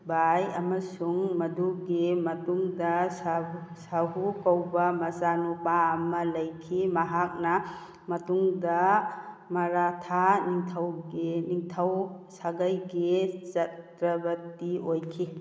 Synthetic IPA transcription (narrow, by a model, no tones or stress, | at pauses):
bajɐmɐsuŋmɐduɡimɐtuŋdɐsasaɦukawbɐmɐsanupaːmɐlɐjkʰimɐɦak̚nɐ | mɐtuŋdɐ | mɐɾatʰaniŋtʰawɡiniŋtʰawsaɡajɡizɐtɾɐbɐtiojkʰi